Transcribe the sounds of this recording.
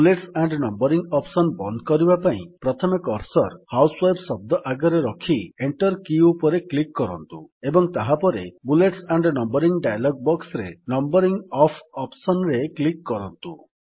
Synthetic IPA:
buleʈsaɳɖnɔmbɔɾiŋɡɔpsɔnbɔnd̪ʱkɔɾibapaḭ̃pɾɔt̪ʰɔmikɔɾsɔɾhawswajbsɔb̚d̪ɔʔaɡɔɾeɾɔkʰieɳʈɔɾkiupɔɾeklikːɔɾɔnt̪ṵebɔŋt̪aɦapɔɾḛbuleʈsaɳɖnɔmbɔɾiŋɖajlɔɡ̚bɔksɾenɔmbɔɾiŋɡɔpʰɔpsɔnɾeklikːɔɾɔnt̪u

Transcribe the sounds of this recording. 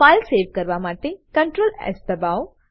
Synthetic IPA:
ajlseːʋkəɾʋamaʈekə̃ɳʈɾoːlɛ̰sd̪əbao

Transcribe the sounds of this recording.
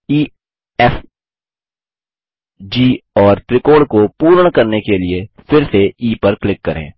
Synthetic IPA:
iː | ɛf | d͡ʒiːɔːɾt̪ɾɪkoːɽkopuːɾəɽ̃kɐɾnekeliefɪɾseiːpəɾklɪkːɐɾḛ̃ː

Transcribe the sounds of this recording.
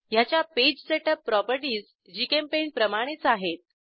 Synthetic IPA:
jat͡ɕjaped͡ʑseʈəpːɾɔpəɾʈiːd͡z | d͡ʑikempenpɾəmaɽ̃et͡saɦet̪̚

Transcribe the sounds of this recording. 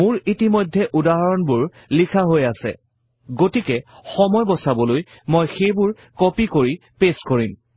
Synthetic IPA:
mʊɹitimojdʱːɛʔudaɦaɹɔnbʊɹ | likʰaɦojasɛ̰ | ɡotikɛxɔmɔjbɔsabɔloj | mojxejbʊɹ | kɔpikoɹi | peskoɹim

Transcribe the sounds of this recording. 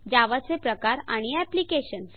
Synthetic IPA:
d͡ʑaʋat͡sepɾəkaɾa̰ɽ̃iɛplikeɕəns

